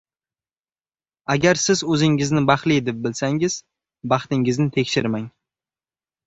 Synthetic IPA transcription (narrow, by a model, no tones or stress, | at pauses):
aɡʲaɾsɪzɵzɪŋɪznɪbɑχlid̪ɪp̚bɪlsaŋɪz̥ | bɑχt̪ɪŋɪznɪt̪ʰekʲʃɪɾmaŋ